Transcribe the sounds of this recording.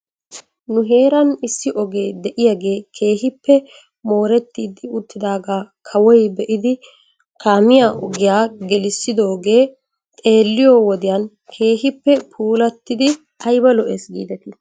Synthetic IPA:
nʊɦe̞ːɾɐnɪsːɪʔɔɡe̞ːd̪ɛʔɪjaɡe̞ːkʰe̞ːɦɪpːɛ | mo̞ːɾɛt̪ːiːd̪ɪʊt̪ːɪd̪aːɡaːkʰɐwɔjbɛʔɪd̪ɪ | kaːmɪjaːʔɔɡɪjaːɡɛlɪsːɪd̪o̞ːɡe̞ː | t̪ʼe̞ːlːɪjoːwɔd̪ɪjɐn | kʰe̞ːɦɪpːɛpʰuːlɐt̪ːɪd̪ɪ | ɐjbɐlɔʔesɡḭːd̪ɛt̪ɪ

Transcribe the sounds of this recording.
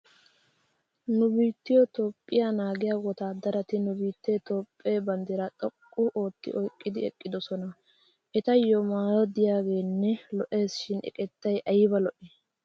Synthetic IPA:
nʊbiːt̪ːɪjɔt̪ɔpʼːɪjanaːɡɪjaːɡɔt̪aːd̪ɐɾɐt̪ɪnʊbiːt̪ːeːt̪oːpʼːeːbɐnd̪ɛɾɐt̪ʼɔkʼːʊʔoːt̪ːɪ̰ʔɔjkʼːɪd̪ɪɛ̰kʼːɪd̪ɔsɔnɐ | ʔɛt̪ɐjːɔmaːjɔd̪ɪjaːɡe̞ːnːɛlɔʔe̞ːsʃɪnɛ̰kʼɛt̪ːɐjʔɐjɪbɐlɔʔɛː

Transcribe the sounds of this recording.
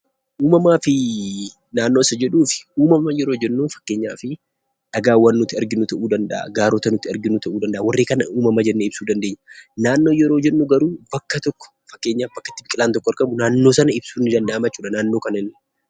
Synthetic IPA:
ʔuːmɐmaːfɪ | naːnːoːɪsːɐd͡ʒɛᶑuːfɪ̥uːmɐmɐjɛɾo̞ːd͡ʒɛnːuːnfɐ̥kːe̞ːɲːa̰ːfɪ | ᶑɐɡaːwɐnːʊt̪ːɪɐɾɡɪnut̪ɐʔuːd̪ɐnd̪ɐʔa̰ɡaːɾɔt̪ɐnʊt̪ːɪɐɾɡɪnut̪ɐʔuːd̪ɐnd̪ɐʔawɐrːeːkɐnɐʔuːmɐmɐd͡ʒɛnːeɪb̥suːd̪ɐnd̪eːɲːɐnaːnːo̞ːjɛɾo̞ːd͡ʒɛnːuɡɐɾuːbɐkːɐt̪ɔkːɔ̥fɐkːeːɲːaːfbɐkːɐ̥t̪ːɪbɪkʼɪlaːnt̪ɔkːɔɐɾkɐmʊnaːnːo̞ːsɐnɐɪbsuːnːɪd̪ɐnd̪ɐʔɐmɐt͡ʃːuːᶑɐnaːnːo̞ːkɐnɐnɪ

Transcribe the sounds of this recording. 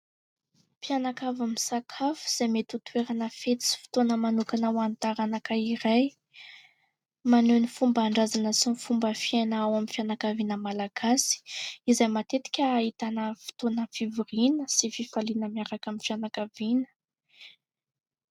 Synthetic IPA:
pianakavamisakʰafu̥z̥ajmet̪ut̪weɾanəfet͡si̥fi̥t̪onəmanukanawant̪aɾanakaiɾaj | manenifumbaɳɖ͡ʐazanəsinifumbəfianaawamifjanakavinəmalaɡ̥asi̥izajmat̪et̪i̥kʲəːit̪anəfi̥t̪onəfiviɾinəsififalinəmiaɾakamifjanakavinə̥

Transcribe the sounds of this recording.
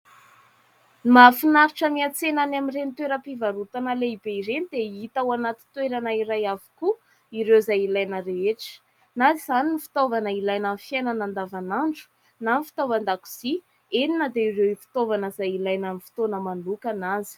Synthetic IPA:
nimafinaɾiʈ͡ʂəmiat͡senanamirenit̪weɾəpivaɾut̪anəleibeiɾenid̪eit̪awanat̪it̪weɾanaiɾajavuku | iɾewzajilajnəɾeeʈ͡ʂə̥ | naziz̥aninifi̥t̪ovanəilajnafijajnanand̪avanaɳɖ͡ʐu̥ | nanifi̥t̪ovand̪aku̥z̥i | eninəd̪eiɾewifi̥t̪ovanəzajilajnamifi̥t̪onəmanlukanazi̥

